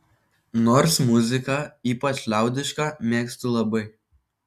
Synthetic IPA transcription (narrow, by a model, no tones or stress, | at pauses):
noːɾsmʊzʲɪkɑiːpɐt͡ʃʲlʲæˑʊd̪ʲɪʃkɑmʲeːksʲt̪ʊlˠɐbɐɪ